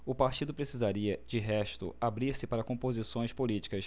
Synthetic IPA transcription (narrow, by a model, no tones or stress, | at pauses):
ʊpaɾt͡ʃid̪ʊpɾesizaɾiɐd͡ʒɪɦɛʃt̪ʊ̰abɾiɾsɪpaɾɐkõmpozisõj̃spolit͡ʃi̥kɐs